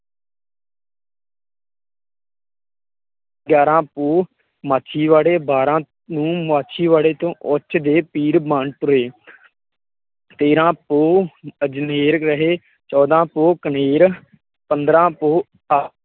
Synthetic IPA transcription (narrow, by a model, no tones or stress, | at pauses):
ɡjaːɾãːpoː | maːt͡ʃʰiːʋaːɽeːbaːɾãː | nũːmaːt͡ʃʰiːʋaːɽeːt̪õːʔot͡ʃd̪eːpiːɾbãːɳʈɾʊeː | t̪eːɾãːpoːəd͡ʒneːɾɾəɦeː | t͡ʃɔːd̪ãːpoːkəneːɾ | pənd̪ɾãːpoː | a